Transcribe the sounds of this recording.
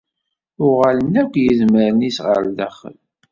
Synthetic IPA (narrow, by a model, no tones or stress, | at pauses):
ʊʁalənːækʷːjəzməɾənisʁə̰ɾd̪æ̰χə̰l